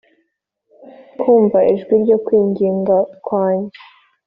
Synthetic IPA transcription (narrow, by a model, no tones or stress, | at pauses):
kʰuːɱvaʔiʒɡwiɾɟo̞kwiːɲɡiːŋɡakwaːɲe